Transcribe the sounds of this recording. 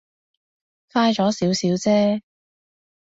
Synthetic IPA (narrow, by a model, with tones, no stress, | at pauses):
faː˥jt͡ʃɔː˨˥siː˨˥wsiː˨˥wt͡sɛː˥